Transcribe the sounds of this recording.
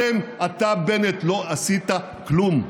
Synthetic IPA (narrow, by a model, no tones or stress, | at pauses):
emat̪abenet̪lo̞asit̪a | klum